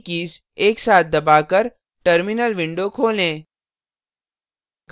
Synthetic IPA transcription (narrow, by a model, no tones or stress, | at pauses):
kiːs | eːksaːt̪̚ʰd̪ɐbaːkəɾ | ʈəɾmɪnəlʋɪ̃ɳɖokʰoːlẽː | ɡ